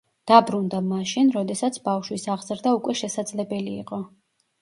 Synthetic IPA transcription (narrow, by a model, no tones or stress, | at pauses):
d̪̥abɾund̪amaʃinɾɔd̪ɛsat̪sʰbafʃwisaʁzɾd̪aukʼwɛʃɛsad̪zlɛbɛlḭːqʼɔ